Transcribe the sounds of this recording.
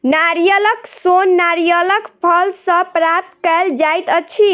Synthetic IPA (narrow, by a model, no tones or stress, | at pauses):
naɾijələksonːaɾijələkpʰəlsə̃pɾap̚t̪kəld͡ʒajt̪ət͡ʃʰi